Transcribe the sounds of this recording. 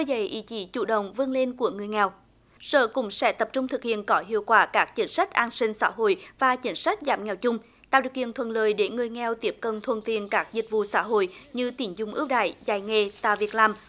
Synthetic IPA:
ə˧jzə̰˧˩jʔḭ˧˩˦t͡ɕi˨˦t͡ɕṵ˧˩ɗə̰˧˨wŋ͡mvɨ˧əŋle˧nku˧˩əŋɨ˨˩əjŋɛ˨˩w | sə̰ː˧˨kʊ̰˧˥ŋ͡msɛ̰˧˥t̪ə˨˩p̚t͡ɕʊ˧ŋ͡mt̪ʰɨ˨˩k̚hḭ˧˨ənkɔ˨˦ɦḭ˧˨əwkwaː˧˩kaː˦˥k̚t͡ɕï˨˦ŋ̟sa˦˥jk̟̚ʔaː˧nsï˧ŋ̟sa̰ː˧˥ɦo̰˧˨jvaː˨˩t͡ɕï˨˦ŋ̟sa˦˥jk̟̚zaː˧˩mŋɛ˨˩wt͡ɕʊ˧ŋ͡m | t̪a̰ː˧˨ɗi˨əwkḭ˧˨ənt̪ʰwə̰˧˨nləː˨˩jɗe˧˩ŋɨ˨˩əjŋɛ˧˨˩wt̪i˦˥əp̚kə˨˩nt̪ʰwə̰˧˨nt̪i˨ənkaː˦˥k̚zï˨˩t̟̚vṵ˧˨sa̰ː˧˥ɦo̰˧˨jɲɨ˧t̪i˨˧˩ənzʊ˧˩ŋ͡mʔɨ˦˥p̚ɗa̰ː˧˨jzaː˧˩jŋɛ˧t̪a̰ː˧˨˩vi˨˩ət̚laː˨˩m

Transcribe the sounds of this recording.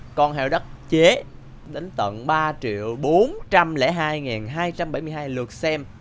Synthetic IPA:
kɔ˧nɦɛ˧˩wɗə˦˥t̚t͡ɕe˨˦ | ɗe˨˦ŋ̟t̪ə̰˧˨nɓaː˧t͡ɕḭ˧˨əwɓo˨˦nt͡ɕa˧mlɛ̰˧˥ɦaː˧jŋɛː˨˩nɦaː˧jt͡ɕa˧mɓa˧˩jmɨ˧jɦaː˧jlɨ˨˩ək̚sɛ˧m

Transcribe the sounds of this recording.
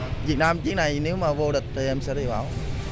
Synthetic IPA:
vi˨˩t̚naː˧mt͡ɕi˦˥k̚na˨˩jne˨˦wmaː˨˩vo˧ɗï˨˩k̟̚t̪ʰi˨˩ʔɛ˧msɛ̰˧˥ɗi˧˩ɓaː˧˩w

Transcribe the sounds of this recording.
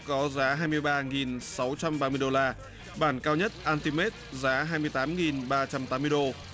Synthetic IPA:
kɔ˨˦zaː˨˦ɦaː˧jmɨ˧əjɓaː˧ŋi˨˩nsa˨˦wt͡ɕa˧mɓaː˧mɨ˧əjɗo˧laː˧ | ɓaː˧˩nkaː˧wɲə˦˥t̚ʔaː˧nt̪i˧me˦˥t̚zaː˨˦ɦaː˧jmɨ˧əjt̪aː˨˦mŋi˨˩nɓaː˧t͡ɕa˧mt̪aː˨˦mːɨ˧əjɗo˧

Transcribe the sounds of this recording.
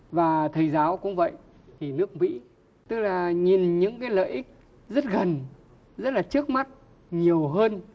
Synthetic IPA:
vaː˨˩t̪ʰə˨˩jzaː˨˦wkʊ̰˧˥ŋ͡mvə̰˧˨j | t̪ʰi˨˩nɨ˦˥ək̚mḭ˧˥ | t̪ɨ˦˥k̚laː˨˩ɲi˨˩nɲɨ̰˧˥ŋkaː˨˦jlə̰ː˧˨jʔï˦˥k̚ | zə˦˥t̚ɣə˨˩n | zə˦˥t̚laː˨˩t͡ɕɨ˦˥ək̚ma˦˥t̚ | ɲi˨˩əwɦəː˧n

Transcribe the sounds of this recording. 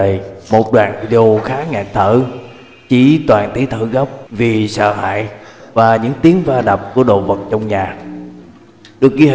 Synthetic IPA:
mo˨˩t̚ɗwa̰ː˧˨nvḭ˧ɗe˧o˧xaː˨˦ŋa̰ː˧˨˩t̪ʰəː˧˩˨ | t͡ɕi˧˩t̪waː˨˩nt̪i˨˦t̪ʰɨ̰˧˩ɣə˦˥p̚vi˨˩sə̰ː˧˨ɦa̰ː˧˨jvaː˨˩ɲɨ̰˧˥ŋt̪i˨˦əŋvaː˧ɗa˨˩p̚ku˧˩əɗo̰˧˨və˨˩t̚t͡ɕɔ˧wŋ͡mɲaː˨˩ | ɗɨ˨˩ək̚ki˧

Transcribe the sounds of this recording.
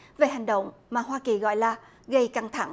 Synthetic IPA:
ve˨˩ɦa˨˩ŋ̟ɗə̰˧˨wŋ͡mmaː˨˩ɦwaː˧ki˨˩ɣɔ̰˧˨jlaː˨˩ | ɣə˧jka˧ŋt̪ʰa˧˩ŋ

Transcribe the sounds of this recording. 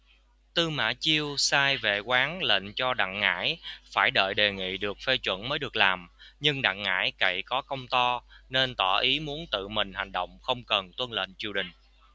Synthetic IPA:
t̪ɨ˧ma̰ː˧˥t͡ɕi˧əwsaː˧jvḛ˧˨kwaː˨˦ŋlḛ˧˨nt͡ɕɔ˧ɗa̰˧˨ŋːa̰ː˧˥jfaː˧˩jɗə̰ː˧˨jɗe˨˩ŋḭ˧˨ɗɨ˨˩ək̚fe˧t͡ɕwə̰˧˥nməː˨˦jɗɨ˨˩ək̚laː˨˩mɲɨ˧ŋɗa̰˧˨ŋŋa̰ː˧˥jkə̰˧˨jkɔ˨˦kə˧wŋ͡mt̪ɔ˧ne˧nt̪ɔ˧˩ʔi˨˦mu˨˦ənt̪ɨ̰˧˨mï˨˩ŋ̟ha˨˩jŋ̟ɗo̰˧˨wŋ͡mxə˧wŋ͡mkə˨˩nt̪wə˧nlḛ˧˨nt͡ɕi˧˩əwɗï˨˩ŋ̟

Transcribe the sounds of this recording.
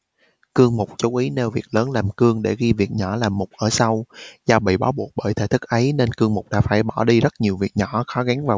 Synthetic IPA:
kɨ˧əŋmʊ˨˩k͡p̚t͡ɕu˨˦wʔi˨˦ne˧wvi˨˩ək̚ləː˨˦nlaː˨˩mkɨ˧əŋɗe˧˩ɣi˧vi˨˩ət̚ɲɔ̰˧˩laː˨˩mːʊ˨˩k͡p̚ʔəː˧˩sa˧wzaː˧wɓḭ˧˨ɓaː˨˦wɓu˨˩ək̚ɓəː˧˩jt̪ʰḛ˧˩t̪ʰɨ˦˥k̚ʔə˨˦jne˧nkɨ˧əŋmʊ˨˩k͡p̚ɗa̰ː˧˥faː˧˩jɓɔ˧˩ɗi˧zə˦˥t̚ɲi˨˩əwvi˨˩ət̚ɲɔ˧˩˨xɔ˨˦ɣa˨˦ŋvaː˨˩

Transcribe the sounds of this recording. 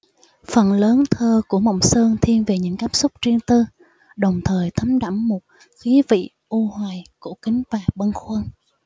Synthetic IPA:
fə˨˩nləː˨˦nt̪ʰəː˧ku˧˩əmɔ̰˧˨wŋ͡msəː˧ŋt̪ʰi˧ənve˨˩ɲɨ̰˧˥ŋkaː˦˥p̚sʊ˦˥k͡p̚t͡ɕi˧əŋt̪ɨ˧ | ɗə˨˩wŋ͡mt̪ʰəː˨˩jt̪ʰə˨˦mɗa˧˩mːo˨˩t̚ | xi˨˦vḭ˧˨ | ʔu˧hwaː˨˩jku˧˩kï˨˦ŋ̟vaː˨˩ɓə˧nxwə˧n

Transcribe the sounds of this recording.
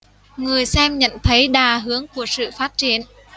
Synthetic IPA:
ŋɨ˨˩əjsɛ˧mɲə̰˧˨nt̪ʰə˨˦jɗaː˨˩ɦɨ˨˦əŋku˧˩əsɨ̰˧˨faː˦˥t̚t͡ɕi˨˩˦ən

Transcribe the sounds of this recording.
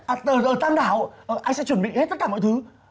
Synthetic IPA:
ʔa˨˩t̪əː˨˩əː˧˩t̪aː˧nɗaː˧˩˨wʔəː˨˩ʔaː˧jsɛ̰˧˥t͡ɕwə˧˩nɓḭ˧˨he˦˥t̪̚ə˦˥t̚kaː˧˩mɔ̰˧˨t̪ɨ˨˦

